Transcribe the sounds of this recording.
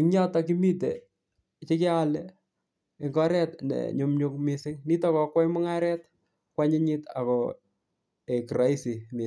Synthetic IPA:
ɪŋɲa˦takimi˦te | t͡ʃe˦kɪ˦alɛ | ɪ˨ŋɡɔ˦ɾɛtnɛ̰ɲo˨mɲo˦kmɪsɪ˦ŋni˦takɔkwa˦jmʊ˦ŋaɾɛ˦t̚ | kwa˦ɲɪ˦ɲɪta̰˨kɔ | e˨kɾa˦isimɪ˨

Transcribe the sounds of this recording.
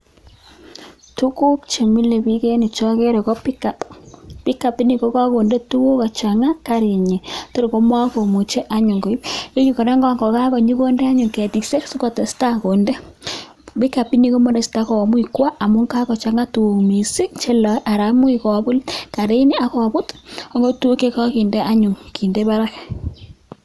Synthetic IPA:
tu˦ku˦p̚t͡ʃe˨mi˦le˨pi˦ke˦ni˨t͡ʃɔ˦ke˦ɾe˨kɔ˦pi˦ka˨ppi˦ka˨pi˦ni˨ko˦ka˦ko˨nde˦tu˦wo˦ka˨t͡ʃa˨ŋa˦ka˦ɾe˨ɲe˨to˦ɾe˨ko˦mwa˦ko˨mu˨t͡ʃe˦ʔa˨ɲu˨ŋɡo˨i˦e˦ju˦˨kɔ˨ɾa˦ŋɡɔ˦ŋɡɔ˨ka˦kɔ˨ɲi˦ko˦nde˦a˦ɲʊ˨ŋkɛ˨ti˨kse˦su˦kɔ˨te˨sta˦ko˨nde˦ | bɪ˦ka˨pi˦ni˦ko˦mo˦ɾe˨sta˦kɔ˨mʊ˦i˨kwa˦ʔa˨mʊ˦ŋka˦kɔ˨t͡ʃa˨ŋa˦tu˨wo˨ŋmi˨si˦t͡ʃe˦la˨˦ʔa˨ɾa˨˦mʊ˦i˨kɔ˨bʊ˦lka˨ɾe˦ni˦a˦kɔ˨bʊ˦tɔ˦ŋɡo˦tu˦wo˦ke˦kɔ˦ki˨nde˦ʔa˦ɲʊ˨ŋki˨nde˦ba˦ɾa˦k

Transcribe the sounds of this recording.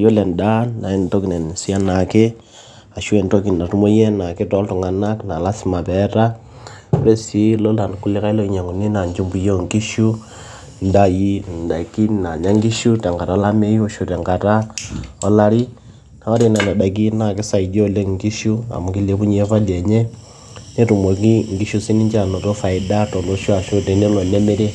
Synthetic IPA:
jo˦lɛ˨n˨da˦na˨e˦n˨to˦ki˨nɛ˨n˨si˦a˦na˨ke˦ | a˨ʃu˦ɛ˨n˨to˦ki˨n˨na˨tu˦mo˦jɛ˦na˨ke˦tɔ˦ltu˨ŋa˨na˦kna˨la˦si˦ma˨βɛɾa˦ | ɾe˦si˦lo˦la˨n˨ku˦le˦ka˦i˦lo˦i˨ɲa˨ŋo˨ni˦na˨ɲd͡ʒu˦mbu˨jo˦˨ŋki˦ʃu˦ | n˨˦da˦ji˦n˨da˨ki˦na˨ɲa˦ŋɡi˦ʃu˦ta˨ŋɡa˨ɾa˨˦la˦me˦i˦o˨ʃu˨tɛ˨ŋɡa˨ɾa˦o˦la˦ɾi˦ | na˨wa˦ɾi˨na˨na˨da˨k̬i˦na˨ki˦sa˨i˨do˦˨le˦ŋɡi˦ʃu˦a̰˨mu˨ɡi˦le˨βu˦ɲe˦fa˦lie˨ɲɛ˦ | ne˦ɾu˨mwe˨ki˦ŋɡi˦ʃu˦si˦ni˦ɲd͡ʒa˨no˨to˦fa˨i˨da˦tɔ˨ndo˦ʃu˦a˨ʃo˦tɛ˨ne˦lɔ˨lɛ˦me˦ɾɛ˦

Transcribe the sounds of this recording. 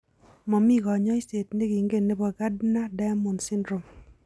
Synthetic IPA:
mɔ˨mi˦˨ɣɔ˨ɲɔ˦i˦se˨tne˦ɡi˨ŋɡe˦˨ne˦bɔ˨ɡa˦dna˦da˦mo˨nsɪ˦ndɾo˨m

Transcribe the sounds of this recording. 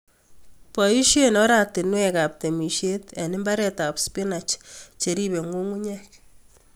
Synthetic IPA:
pɔ˨i˦ʃjenɔ˦ɾatɪ˨nwɛka˨p̚te˨mi˨ʃje˦tɛ˨nɪ˦mba˦ɾɛta˨pspɪ˦na˨t͡ʃt͡ʃe˨ɾi˦be˨ŋu˦ŋu˦ɲɛ˦k

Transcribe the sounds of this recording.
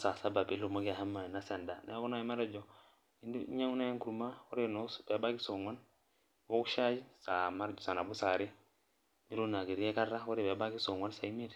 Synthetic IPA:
sa˨sa˦ba˨bi˦lu˨mo˦ɡi˦a˨ha˦mːa˨i˨na˦se˨nda˨na˦ku˦na˦i˦ma˦ɾd͡ʒɔ˨ | i˨ndu˦i˦ɲa˦ŋu˦na˦je˦ŋku˨ɾu˦ma˦wo˦ɾe˦no˦sbe˨˦ba˦ɡi˦so˨ŋa˦n | wo˦ku˦ʃa˦d͡ʒi˦sa˨ma˦ɾd͡ʒɔ˨sa˨na˨bu˦sa˨ɾi˦ | ni˦ɾu˦na˨ɡi˨ɾi˦je˦ka˦ɾa˦wo˦ɾi˨be˨˦ba˦ɡi˦so˨ŋwa˦nsa˨i˦mi˦ɾ

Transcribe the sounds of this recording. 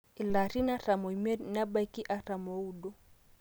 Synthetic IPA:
i˨la˨ɾi˦na˦ɾa˨mɔ˨i˨mɛ˦na˦ba˦ki˦ʔa˨ɾa˨mɔ˨u˦ɗɔ˦

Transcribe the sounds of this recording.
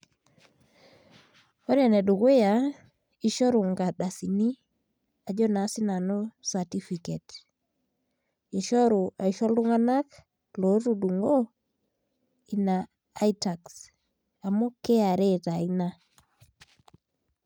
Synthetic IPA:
o˦ɾa˨ne˨du˨ke˦ja˨ | i˦ʃɔ˦ɾu˨ŋɡa˨ɗa˨si˨ni˦ | a˨d͡ʒɔ˦na˨˦si˦na˨no˦sa˨ti˦fi˨ke˨t | i˨ʃɔ˦ɾu˨a˨i˨ʃɔ˦lu˦ŋa˦na˦k | lo˨˦tu˨du˨ŋɡo˦ | i˨naː˨˦ | ita˨ks | a˨mo˦ke˦a˨ɾe˦ta˨i˦na˦

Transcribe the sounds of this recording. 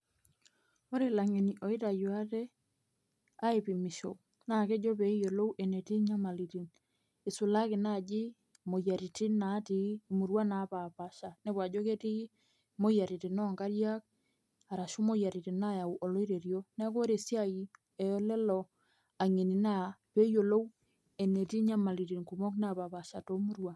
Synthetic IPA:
o˦ɾe˨la˨ŋe˨ni˨ʔɔ˨ɪ˦ta˨jwa˦tɛ˦ | a˦e˨pi˨mɪ˨ʃo̰˨ | na˦˨ke˦d͡ʒo˦pe˨i˦jo˨lo˦wʔe˨ne˨ti˦ɲa˦ma˨li˨ti˨n | e˨sʊ˨la˦kɪ˨na˦˨d͡ʒɪ˦ | mo˨ja˨ɾi˨ti˦na˨˦tiː˨˦˨mu˨ɾwa˦na˨˦pa˨pa˨ʃa˨ne˦pwa˨d͡ʒo˦ke˦ti˦ | mo˦ja˨ɾi˨ti˨nɔ˦˨ŋɡa˦ɾja˦k̚ | a˨ɾa˨ʃu˦mo˦ja˨ɾi˨ti˨na˦˨ja˨u˨ʔɔ˨lo˦i˦ɾe˨ɾjo˦na˦ko˦ɾe˨sja˦ji˨ | ɛ˨jɔ˦lɛ˦lɔ˨ | a˨ŋi˨ni˨na˦pe˦jo˨lo˦w | e˨ne˨ti˦ɲa˦ma˨li˨ti˨ŋku˨mɔ˦kna˦˨pa˨pa˨ʃa˨to˦mu˦ɾwa˨

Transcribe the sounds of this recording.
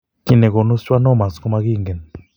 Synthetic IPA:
ki˦˨nɛ˨kɔ˨nu˦st͡ʃwa˦nɔ˦˨ma˨sku˦ma˦ki˦˨ŋɡɛ˨n

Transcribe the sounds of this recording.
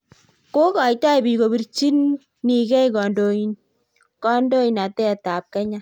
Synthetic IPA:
ko˦kɑ˨jta˦i˨bi˨ko˨bi˦˨ɾt͡ʃi˦nː | i˨kɛ˦jkɔ˨ndo˨in | kɔ˦ndo˦i˨na˨tɛ˦˨ta˨p̚kɛ˦ɲa˦

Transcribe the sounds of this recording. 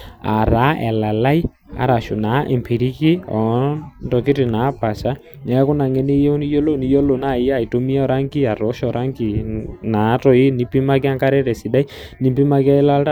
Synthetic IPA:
a̰˨ɾa˨˦ʔɛ̰˨la˨la˦i˦ | a̰˨ɾa˨ʃʊ˨na˨˦ʔɛ˨mpʰi˨ɾi˦kɪ˦ɔ˨ndɔ˨kɪ˦ɾɪ˨na˨˦pa˨sa˦ | ɲa˨˦kʊ˦na˨ŋɛ˦ne˦jɛ˦u˦ni˦jɔ˦lo˦˨ni˨˦jɔ˦lo˨na˦˨i˦ja˦˨i˨to˦mi˦a˦ɔ˨ɾa˦ŋki˦a˨ɾɔ˨˦ʃɔ˨ɾa˦ŋki˨na˨˦tɔ˦ɪ˦ni˦pi˦ma˦kɪ˦a˦ŋka˦ɾɛ˦ɾɛ˨si˨da˦i˦ni˦mpi˦ma˦kɪ˦a˦ɪ˦la˦lta˦

